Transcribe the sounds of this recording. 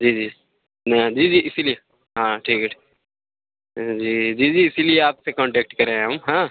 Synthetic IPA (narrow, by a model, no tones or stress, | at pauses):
d͡ʒiːd͡ʒiː | nd͡ʒiːd͡ʒiːɪsilije | ɦãːʈʰiːkʈʰi̥ | d͡ʒiːd͡ʒiːd͡ʒiːɪsilieaːpsekɔ̃ːɳʈɛːk̚ʈkɐɾẽɦɦɐmɦãː